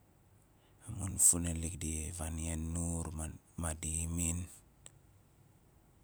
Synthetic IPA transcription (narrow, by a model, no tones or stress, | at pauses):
amunfunelikdivanjenːuɾ | madimin